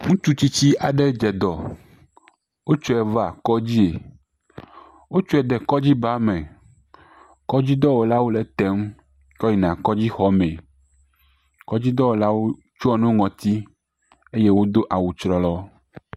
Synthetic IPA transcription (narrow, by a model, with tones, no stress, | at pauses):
ŋũ˦t͡ʃu˦t͡ɕi˦t͡ɕi˦a˨ɖe˦d͡ʒɛ˨d̪ɔ˨ | wo˦t͡ʃɔ˦ɛ˨va˨kɔ˦d͡ʑi˦e˨ | wo˦t͡ʃɔ˦ɛ˨d̪ɛ˨kɔ˦d͡ʑi˦ba˦mẽ˨ | kɔ˦d͡ʑi˦d̪ɔ˦wo˨la˦wo˦lɛ˨t̪ɛ˦m | kɔ˦ji˨nã˨kɔ˦d͡ʑi˦xɔ˨˦mɛ̃˨ | kɔ˦d͡ʑi˦d̪ɔ˦wo˨la˦wo˦ | t͡ʃu˦ɔ˦nũ˦ŋɔ̃˨t̪i˦ | e˦je˦wo˦d̪o˦ʔa˨wu˨t͡ʃɾɔ˨lɔ˦